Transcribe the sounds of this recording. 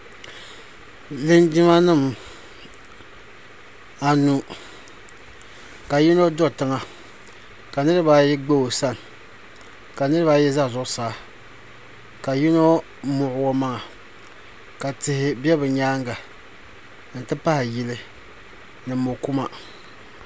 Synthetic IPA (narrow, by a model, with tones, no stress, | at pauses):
lɨ˦nd͡ʒi˦ma˦nɨ˦˨m | a˨nu˨ | ka˨ji˦no˦do˦˨tɨ˦ŋa˨ | ka˨nɨ˦ɾɨ˦ba˦jɛ˦ɡ͡bo˦o˨sa˦n˨ | ka˨nɨ˦ɾɨ˦ba˦jɛ˦za˦˨zʊ˨ʔʊ˦saː˨˦ | ka˨ji˦no˦ | mʊ˨ʔʊ˦wɔ˦ma˦ŋa˨ | ka˨tɪ˨hɪ˨bɛ˦bɨ˨ɲaː˦ŋɡa˨ | ɨ˨n˦tɨ˦pa˦hɪ˨ji˨lɨ˦ | nɨ˨mo˨ku˦ma˨